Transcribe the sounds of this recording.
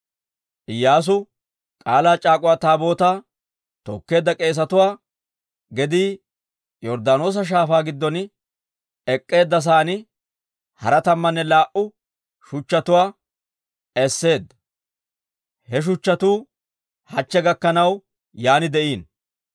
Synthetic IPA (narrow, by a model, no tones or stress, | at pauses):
ʔɪjːaːs̬ʊ | kʼaːlaːt͡ʃʼaːkʼʊwaːt̪aːbo̞ːt̪aː | t̪ɔkːe̞ːd̪ːɐkʼe̞ːs̬ɐt̪ʊwaː | ɡɛd̪iː | jɔɾd̪aːno̞ːs̬ɐʃ̬aːfaːɡɪd̪ːɔn | ɛkʼːe̞ːd̪ːɐs̬aːnɪ | hɐɾɐt̪ɐmːɐnːɛlaːʔʊ | ʃʊt͡ʃːɐt̪ʊwaː | ɛsːe̞ːd̪ːɐ | hɛʃ̬ʊt͡ʃːɐt̪uː | hɐt͡ʃːɛɡɐkːɐnɐw | jaːnɪd̪ɛʔiːn